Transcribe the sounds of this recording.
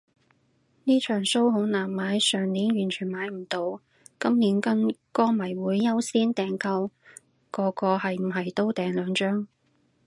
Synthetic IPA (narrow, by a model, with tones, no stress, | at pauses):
niː˥t͡ʃʰœː˨˩ŋso˥wɦo˨˧˥wnaː˨˩mːaː˨˥jsœː˨˩ŋniː˨˥nɥyː˨˩nt͡ʃʰyː˨˩nmaː˨˥jm̩˨˩t̪o˨˧w | kɐ˥mniː˨˥nkɐ˥nkɔː˥mɐ˨˩jwuː˨˧jːɐ˥wsiː˥nt̪ɛː˨ŋkɐ˧w | kɔː˧kɔː˧hɐ˨jm̩˨˩ɦɐ˨jt̪o˥wt̪ɛː˨ŋlœː˨˧ŋt͡ʃœː˥ŋ